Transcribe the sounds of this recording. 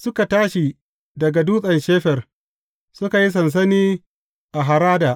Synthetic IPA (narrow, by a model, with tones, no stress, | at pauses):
sʊ˦ka˨taː˦ʃi˨ | dɐ˨ɡa˨duː˦sʼɐ˨nʃeː˦ɸɛ˨r | sʊ˦ka˨ji˦s̬ɐ˨ns̬ɐ˦niː˦ | ʔa˨ɦa˨ɾaː˦daː˨ʔ